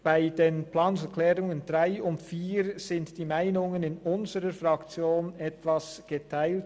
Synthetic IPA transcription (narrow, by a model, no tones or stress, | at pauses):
b̥aɪdeːnplaːnsəkʰlɛːɾʊŋəndʁaɪʊndfiːɾz̥ɪntd̥iːmaɪnʊŋənɪnʊnzəɾəɾfʁakt͡sjoːnɛtv̥asɡ̥ətʰaɪlt